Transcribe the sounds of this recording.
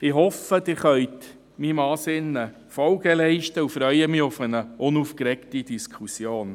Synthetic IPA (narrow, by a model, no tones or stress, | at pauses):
ɪɦɔfəd̥ɪːɾχœʏt | mimɑːsɪnə | fɔlɡ̥əlɛɪʃtəufɾœʏəmiʊfənəʔʊnuːfkɾɛktid̥iskʰusjoːn